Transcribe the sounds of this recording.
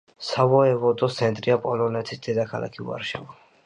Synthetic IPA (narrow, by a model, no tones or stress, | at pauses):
savɔɛvɔd̪ɔsʰɛnt̪ʼɾiapʼɔlɔnɛt̪ʰisd̪̥ɛd̪akʰala̰kʰiṵa̰ɾʃɛvɔ